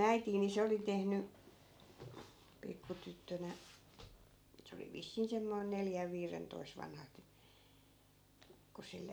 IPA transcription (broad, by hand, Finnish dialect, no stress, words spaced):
æitiːn̆ ni se oli tehny pikːu tytːønæ se oli ʋisːiːn semːoin neljæʋ ʋiːrentoi̯s ʋɑnhɑ t ku silːe